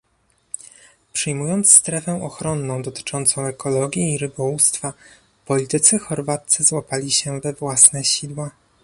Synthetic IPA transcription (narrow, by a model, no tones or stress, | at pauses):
pʂɘjmujɔnt̪sst̪ɾɛfɛʔɔxɾɔnːɔ̃w̃d̪ɔt̪ɘ̥t͡ʂɔnt̪sɔ̃w̃ɛkɔlɔɡʲjiːɾɘbɔwust̪fa | pɔlʲit̪ɘt̪sɘxɔɾvat̪sɘzwapalʲiɕɛvɛvwasnɛɕid̪wa